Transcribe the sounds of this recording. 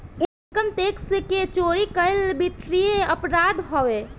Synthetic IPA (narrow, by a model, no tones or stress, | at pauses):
e | kəmt̪ekseket͡ʃoɾikəjlbit̪ɾijeəpɾad̪ɦɔʋe